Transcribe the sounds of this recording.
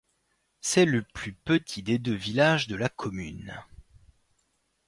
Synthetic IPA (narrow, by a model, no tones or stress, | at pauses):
sɛləplypət̪ʰid̪ed̪øvilaʒd̪əlakʰɔmyn